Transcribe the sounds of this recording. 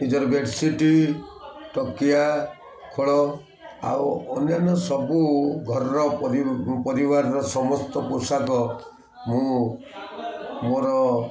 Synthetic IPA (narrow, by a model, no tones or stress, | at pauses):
nid͡ʒɔɾɔbeɖsiʈi | ʈɔkija | kʰoɭɔ | a̰wɔnjanɔsɔbuɡʱɔɾɔɾɔpɔɾipɔɾibaɾɾɔsɔmɔst̪ɔposakɔ | mũ | moɾɔ